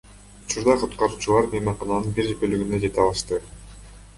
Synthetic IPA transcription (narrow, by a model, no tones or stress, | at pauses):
ut͡ʃuɾd̪ɑqʰut̪qɑɾuːt͡ʃulˠɑɾbijmɑɴqɑnɑnɯnbiɾepølyɡynd̪ød͡ʒe̞t̪ɑlˠɯʃt̪ɯ